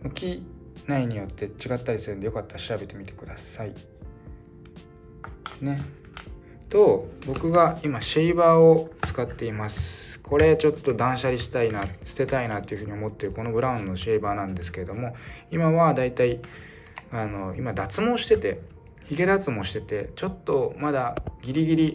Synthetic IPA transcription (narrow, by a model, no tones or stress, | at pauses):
mɯ̟kʲi | naiɲ̟ijo̞t̪ːe̞t͡ɕiɡat̪ːaɾʲisɨɾɯ̟nd̪ejo̞kat̪ːaɕiɾabe̞t̪e̞mʲit̪e̞̥kɯ̟d̪asai | ne̞ | t̪o̞ːbo̞kɯ̟ɡaimaɕeibaːot͡sɨ̥kat̪ːe̞imasɨ̥kʰo̞ɾe̞t͡ɕo̞t̪ːo̞d̪ãɰ̃ɕaɾʲiɕi̥t̪ainasɨ̥t̪e̞t̪ainat̪ːe̞iɯ̟ɸɯ̟ɲ̟io̞mo̞t̪ːe̞ɾɯ̟ko̞no̞bɯ̟ɾãɯ̟̃nd̪ooɕeibaːnãnd̪e̞sɨ̥ke̞ɾe̞d̪o̞mo̞imaβad̪ait̪ai | ano̞imad̪at͡sɨmo̞ɕi̥t̪e̞t̪e̞ | çiɡe̞d̪at͡sɨmo̞ɕi̥t̪e̞t̪e̞t͡ɕo̞t̪ːo̞mad̪aɡʲiɾʲiɡʲiɾʲi